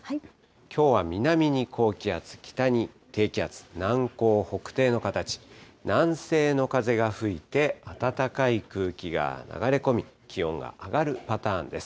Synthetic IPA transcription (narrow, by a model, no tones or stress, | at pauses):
kʲʰo̞ːβamʲinamʲiɲ̟ikʰo̞ːkʲiat͡sɨ̥kʲi̥t̪aɲ̟i | t̪e̞ːkʲiat͡sɨ̥nãŋko̞ːho̞kɯ̟̥t̪e̞ːno̞kat̪at͡ɕi̥ | nãɰ̃se̞ːno̞kaze̞ɡaɸɯ̟it̪e̞at̪at̪akaikɯ̟ːkʲiɡa̰na̰ɡaɾe̞ko̞mʲi | kʲiõ̞ŋɡa̰ʔaɡaɾɯ̟pat̪ãːnd̪e̞sɨ̥